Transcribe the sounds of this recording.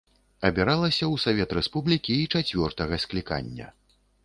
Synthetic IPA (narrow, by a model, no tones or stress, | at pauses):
ɐbʲɛɾalˠɐsʲɐwsavʲɛt̪ɾɛspublʲikʲiːt͡ʂat͡sʲvʲɔrt̪ɐɣɐsklʲika̰nʲːɐ̰